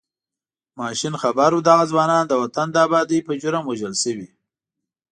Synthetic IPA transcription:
mɑʃinxabaɾud̪aɣazwɑnɑnd̪əwat̪and̪ɑːbɑd̪əjpəʒʊɾamwaʒəlsəwi

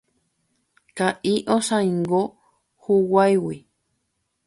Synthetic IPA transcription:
kaʔiʔosãĩŋɡo | huwajwi

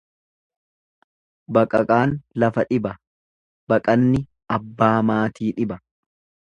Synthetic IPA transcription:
bɐkʼɐkʼaːnlɐfɐᶑɪbɐ | bɐkʼɐnːɪ | ɐbːaːmaːt̪iːᶑɪbɐ

